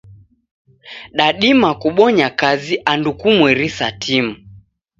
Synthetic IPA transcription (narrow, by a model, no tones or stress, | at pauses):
ɗaɗimakuɓɔɲakaziʔandukumwɛɾisatʰim̩